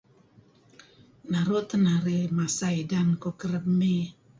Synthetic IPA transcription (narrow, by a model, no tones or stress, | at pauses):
naɾot̪naɾemasajdankokɾəbmi